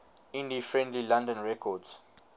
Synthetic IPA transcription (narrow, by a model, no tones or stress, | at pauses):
ĩndifɹɛ̃ndlilãndə̃nɹɛkʰɔdz̥